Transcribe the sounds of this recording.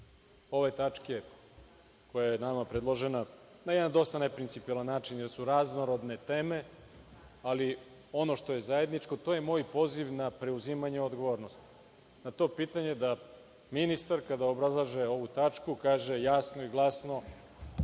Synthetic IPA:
o̞ʋet̪at͡ʂke̞ | ko̞jajenamapɾed̪lˠo̞ʒe̞na | najed̪and̪o̞st̪anepɾint̪ipilˠanːaːt͡ʃinjeɾsuɾaznoɾo̞d̪ne̞t̪e̞ːme̞ | ali | o̞no̞ʃt̪o̞je̞zaje̞d̪nit͡ʃko̞t̪o̞je̞mo̞ːjpo̞ziʋnapɾe̞uzimaɲeo̞d̪ɡo̞ʋoɾno̞st̪i̥ | nat̪o̞piːt̪aɲe̞d̪a | minist̪aɾkad̪aobɾazlˠaʒeo̞ʋut̪at͡ʃkukaːʒe̞jaːsnoiɡlˠasno̞

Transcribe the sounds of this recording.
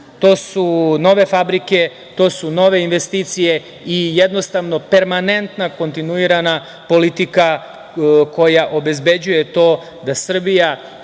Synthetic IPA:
t̪o̞ːsuno̞ʋe̞fabɾike̞ | t̪o̞ːsuno̞ʋe̞inʋe̞st̪iːt̪sije̞ | ijed̪no̞st̪aʋno̞pe̞ɾmane̞nt̪nako̞nt̪inuiɾana | po̞lit̪ika | ko̞jaʔo̞be̞zbe̞d͡ʑujet̪o̞ː | d̪asr̩bija

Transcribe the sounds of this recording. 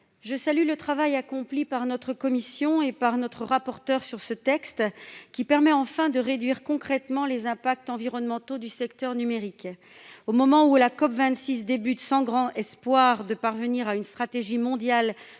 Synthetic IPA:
ʒəsalylət̪χavajakɔ̃plipaʁnɔt̪χəkɔmisjɔ̃epaʁnɔt̪χəʁapɔʁt̪œʁsyʁsət̪ɛkst̪kʲipɛʁmɛɑ̃fɛ̃d̪əʁed̪ɥiʁkɔ̃kχɛt̪mɑ̃lezɛ̃pak̚t̪ɑ̃viʁɔnmɑ̃t̪od̪ysɛkt̪œʁnymeʁik | omɔmɑ̃ulakɔpvɛ̃t̪sis̬d̪ebyt̪sɑ̃ɡʁɑ̃ɛspwaʁd̪əpaʁvəniʁaynst̪χat̪eʒimɔ̃d̪jal

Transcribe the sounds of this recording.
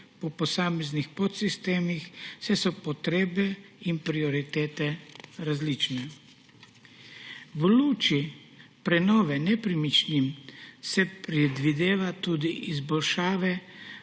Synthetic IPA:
pɔpɔsaːmɛznixpɔt̪sist̪eːmixsɛsɔpɔt̪ɾeːbɛimpɾiɔɾit̪eːt̪ɛɾazlit͡ʃnɛ | ʋluːt͡ʃi | pɾɛnɔːʋɛnɛpɾimit͡ʃnimsɛpɾɛd̪ʋid̪eːʋat̪uːd̪iʔizbɔlʃaːʋɛ

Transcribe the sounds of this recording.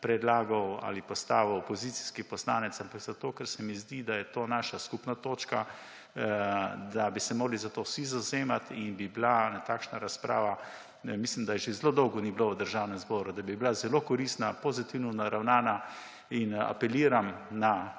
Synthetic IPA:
pɾɛd̪laːɡɔwa̰lipɔst̪a̰ːʋoɔpɔzit̪si̥skipɔsla̰ːnɛt̪sampakzat̪oːkɛɾsɛmizd̪id̪ajɛt̪oːnaːʃaskupnat̪oːt͡ʃka | d̪abisɛmoːɡlizat̪oːsizɐwzeːmat̪inbiblanat̪aːkʃnaɾaspɾʔa̰ːʋa | mislimd̪ajɛʒezloːd̪ɔwɡɔnibloʋəd̪əɾʒaːwnɛmzbɔːɾud̪abiblazɛlokɔɾiːst̪napozit̪iwnɔnaɾawnaːna | ina̰pɛliːɾamna

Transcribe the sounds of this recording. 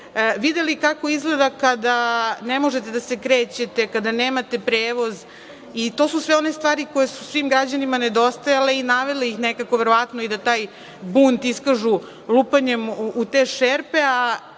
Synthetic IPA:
ʋid̪e̞likako̞izɡle̞d̪akad̪anemo̞ʒet̪e̞d̪ase̞kɾe̞ːt͡ɕe̞t̪e̞kad̪aneːmat̪e̞pɾeːʋo̞z | it̪o̞susʋeo̞ne̞st̪ʋaːɾiko̞jesusʋimɡɾad͡ʑanimaned̪o̞st̪ajale̞inaʋe̞leixnekako̞ʋeɾoʋat̪noid̪at̪aːj | bunt̪iskaʒu | lˠupaɲemut̪eːʃeɾpe̞a

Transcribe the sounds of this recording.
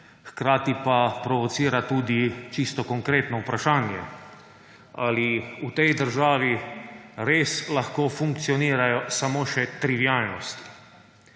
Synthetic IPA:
xkɾaːt̪ipapɾɔʋɔt̪siːɾat̪uːd̪it͡ʃist̪ɔkɔŋkɾeːt̪nɔupɾaʃaːnjɛ | a̰liut̪ɛjd̪əɾʒaːʋi | ɾeːslaxkoːfuŋkt̪siɔniːɾajɔsamoːʃɛt̪ɾiʋijaːlnɔst̪i̥

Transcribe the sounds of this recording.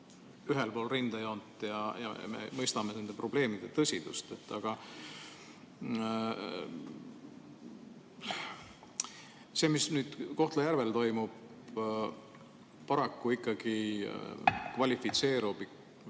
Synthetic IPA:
yɦelpo̞ːlrind̪̥ejo̞nt̪ːˑjɑjɑ̰mḛmɤjst̪ɑme̞ne̞nd̪̥e̞pro̞b̥le̞ːmid̪̥e̞t̪ɤsʲid̪̥ṵst̪e̞t̪ːɑɡ̥ɑ | se̞ːmisnyːd̪̥ko̞ht̪lɑjærve̞lt̪o̞jmub̥ | pːɑɾɑkːuikːɑɡ̥i | kvɑlʲifit̪se̞ːɾub̥i

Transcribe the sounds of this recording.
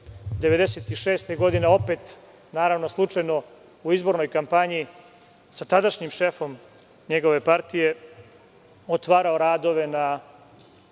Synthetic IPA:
d̪eʋe̞d̪eset̪iʃeːst̪eɡo̞d̪ineo̞pet̪ | naːɾaʋno̞slˠut͡ʂajno̞ | uizbo̞ɾno̞jkampaɲi | sat̪ad̪aʃɲimʃe̞fo̞m | ɲeɡo̞ʋe̞paɾt̪ije̞ | ot̪ʋaːɾaoɾaːd̪o̞ʋe̞na

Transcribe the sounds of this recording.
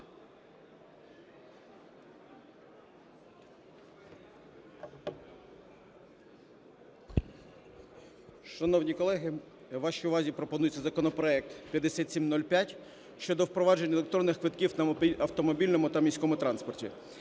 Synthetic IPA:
ʃɐnɔwnʲikɔlˠɛɦɪ | ʋɑʃiʊʋɑzʲipɾɔpɔnujet͡sʲːɐzɐkɔnɔpɾɔɛk̚t̪pʲjɐd̪esʲat̪ʲsʲimnɔlʲpʲjatʲ | ʃt͡ʃɔd̪ɔwpɾɔʋɑd͡ʒe̞nʲɐelˠekt̪ɾɔnːɪxkʋɪt̪kʲiwnɐɐwt̪ɔmɔbʲilʲnɔmʊt̪ɐmʲisʲkɔmʊt̪ɾɑnspɔrtʲḭ

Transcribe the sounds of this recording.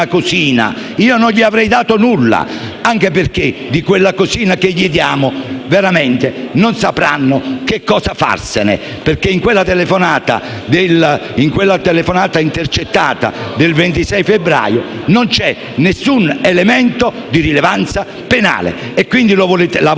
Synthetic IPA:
akoziːna̰ | iːononʎiavɾɛjd̪aːt̪onulːa̰ | aŋk̟eperk̟ed̪ikwelːakoziːnakeʎːid̪jaːmoveɾament̪enonsapɾa̰nːok̟ekːɔːsafa̰rsenḛ | perkeiŋkwelːat̪elefonaːt̪a̰d̪eliŋkwelːat̪elefonaːt̪aint̪ert͡ʃet̪ːaːt̪a̰d̪elvent̪isɛjfebɾa̰ːjonont͡ʃɛ | nesːunelement̪o | d̪irilevant̪sa | pena̰ːlḛːkːwind̪ilovlet̪la

